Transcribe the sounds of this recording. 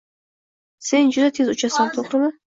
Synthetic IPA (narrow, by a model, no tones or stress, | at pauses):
send͡ʒʊd̪at̪ʰezut͡ʃʰasant̪ʰoχɾɨma